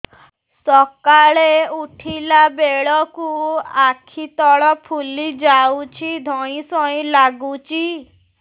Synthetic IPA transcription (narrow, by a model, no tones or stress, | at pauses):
sɔkaɭeuʈʰilabeɭɔkuakʰit̪ɔɭɔpʰulid͡ʒawt͡ʃʰid̪ʱɔĩsɔĩlaɡut͡ʃʰi